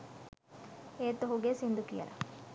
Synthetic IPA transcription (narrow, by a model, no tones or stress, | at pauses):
eːt̪oɦuɡesind̪ukḭjɐ̰lʔɐ̰